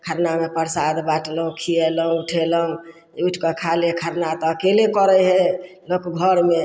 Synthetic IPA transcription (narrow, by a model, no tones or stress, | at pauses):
kʰəɾnamepəɾsad̪baʈləɦũkʰijeləɦũuʈʰeləɦũ | euʈʰkəkʰalekʰəɾnat̪ɔːkelekɔɾɛɦɛ | lokɡʱɔɾme